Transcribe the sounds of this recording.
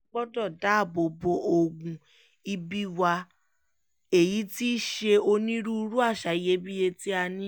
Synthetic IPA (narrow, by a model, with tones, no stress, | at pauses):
ɡ͡bɔ˦dɔ˦˨da˨˦˨bo˧bo˧ʔo˧ɡũ˧ | i˧bi˦wa˧ | e˨ji˨˦ti˦ʃe˧o˧nĩ˦ɾu˦˧ɾu˦a˦˨ʃa˨i˨je˦bi˦je˧ti˦a˧nĩ˦